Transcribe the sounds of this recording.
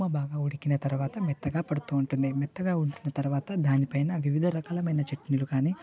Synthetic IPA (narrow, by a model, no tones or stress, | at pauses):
mɐbaːɡaːuɽikinɐt̪ɐɾuʋaːt̪ɐmɛt̪ːɐɡaːpɐɽut̪uːɳʈund̪imɛt̪ːɐɡaːuɳʈunːɐt̪ɐɾuʋaːt̪ɐd̪ʱaːnipɐjnɐʋiʋid̪ʱɐɾɐkɐːlɐmɐjnɐt͡ʃeʈːinilukaːniː